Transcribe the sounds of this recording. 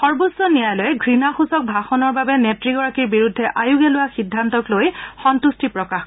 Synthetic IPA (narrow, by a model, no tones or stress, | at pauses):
xɔɹbosːɔnijajlɔjɛɡɹinaxusɔk̚bʱaxɔnɔɹbabɛnetɹiɡɔɹakiɹbiɹudʱːɛʔajuɡɛlʊwaxidʱːantɔklojxɔntustipɹɔkax